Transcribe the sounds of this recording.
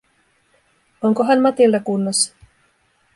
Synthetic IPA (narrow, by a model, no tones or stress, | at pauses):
oŋkoɦɑnmɑt̪ilt̪ɑkunːosːɑ̥